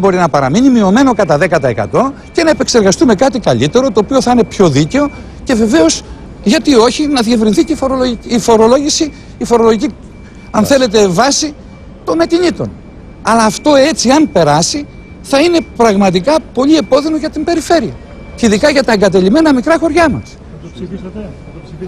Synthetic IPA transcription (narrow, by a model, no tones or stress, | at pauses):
bo̞ɾinɐpɐɾɐmiɲimio̞me̞no̞kɐt̪ɐðe̞kɐt̪ɐekɐ̰t̪o̞ | ce̞nɐepe̞kse̞ɾɣɐst̪ume̞kɐt̪̬ikɐʎit̪e̞ɾo̞t̪o̞ːpio̞θɐinepço̞ðice̞o̞ | ce̞ve̞ve̞o̞s | ʝɐt̪io̞çinɐðie̞vɾinθicefoɾoloifo̞ɾo̞lo̞ʝisiː | fo̞ɾo̞lo̞ʝici | ɐnθe̞le̞t̪̬e̞vɐsi | t̪o̞nɐc̪iɲit̪o̞̰n | ɐlɐːft̪o̞e̞t͡siɐnpe̞ɾɐsi | θɐine̞pɾɐɣmɐt̪̬ikɐpo̞ʎie̞po̞ðinoʝɐt̪imbe̞ɾife̞ɾiɐ̰ | iðikɐʝɐt̪ɐeŋɡɐt̪̬e̞ʎime̞nɐmikɾɐxo̞ɾʝɐmɐ̰s